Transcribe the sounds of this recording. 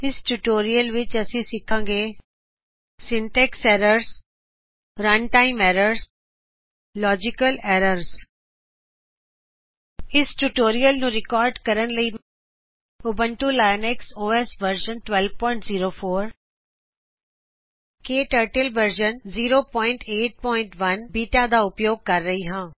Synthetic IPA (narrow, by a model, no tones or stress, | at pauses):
ɪsʈuʈoːɾijəlʋɪt͡ʃɐsĩsɪkʰãːŋɡeː | sɪ̃nʈɛkseːɾəɾz | ɾɐnʈaːɪmɛːɾəɾs | lɔːd͡ʒɪkəleːɾəɾs | ɪsʈuʈoːɾijəlnũːɾɪkɔːɾɖkəɾənləi | ʊbəɳʈulaːjənɛksoːɛsʋəɾʃənʈwɛlʋpɔːɪ̃ɳʈziːɾoːfʰoːɾ | keːʈəɾʈəlʋəɾʃənziːɾoːpɔːɪ̃ɳʈeːʈ̚pɔːɪɳʈʋɐnbiːʈad̪aːʊpjoːɡ̚kəɾːəɦiɦãː